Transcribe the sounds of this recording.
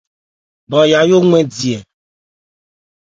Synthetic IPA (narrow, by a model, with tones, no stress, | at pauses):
bɔ̃˨ja˨jo˦ŋɛ̃˦di˨ɛ˨